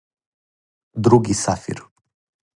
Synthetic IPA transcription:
d̪ɾuɡʲisafḭr

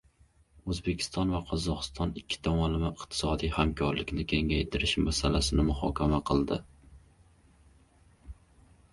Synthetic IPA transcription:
ɵzbe̞kʲʰɪ̥st̪ɒnvaqʰɒzɒqʰɨst̪ʰɒnɪkʲʰːɪ̥t̪ʰamɒlɪmɪɪqt̪ʰɪ̥sɒd̪ijhamkʰɒɾlɪkʲnɪkʲʰe̞ŋajt̪ʰɪɾɪʃmasalasɪnɪmʊhɒ̰kʲʰamaqʰɨlˠd̪ɪ

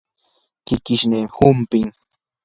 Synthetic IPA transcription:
kɪkɪʃnehʊmpɪŋ

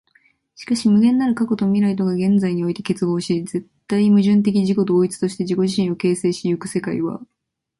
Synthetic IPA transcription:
ɕi̥kaɕimɯ̟ɡẽ̞nːaɾɯ̟kako̞t̪o̞mʲiɾait̪̬o̞ɡaɡẽ̞nd͡zaiɲ̟io̞it̪e̞ke̞t͡sɨɡo̞ːɕize̞t̪ːaimɯ̟ʑɨ̃nt̪e̞k̬ʲiʑiko̞d̪o̞ːit͡sɨ̥t̪o̞ɕi̥t̪e̞ʑiko̞ʑiɕĩɰ̃o̞ke̞ːse̞ːɕiɯkɯ̟̥se̞kaḭβa̰

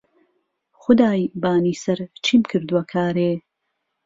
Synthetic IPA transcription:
xʊd̪aːjbaːniːsɐɾt͡ʃʰiːmkʰɨɾd̪uwɐkʰaːɾeː

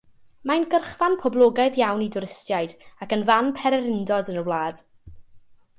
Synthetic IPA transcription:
majnɡərχvanpʰɔblˠoːɡaɨðjawnidʊɾɪstjajdakənvanpʰɛɾɛɾɪndɔdənəwlˠaːd̥

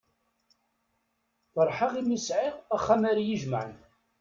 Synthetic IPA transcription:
θəɾˤħaʁimisʕɪʁaχːamaɾajəʒməʕən

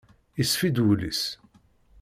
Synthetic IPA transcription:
isfid̪ulḭs

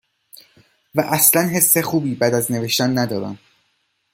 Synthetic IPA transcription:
væʔæslænɦe̞sːe̞xuːbiːbæːd̪æzne̞ve̞ʃt̪ænːæd̪ɒːɾæ̰m

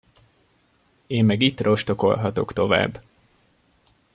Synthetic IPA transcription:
eːmːɛɡiːt̪ro̞ʃt̪o̞ko̞̰lɦɒt̪o̞kt̪o̞va̰ːbː

